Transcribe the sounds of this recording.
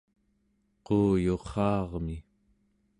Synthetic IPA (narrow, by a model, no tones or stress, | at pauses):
qoːjo̞qːɑːʁmi